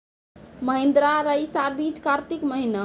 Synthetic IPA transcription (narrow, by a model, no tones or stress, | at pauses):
məɦẽnd̪ɾaɾəjsabit͡ʃkaɾt̪ikməɦina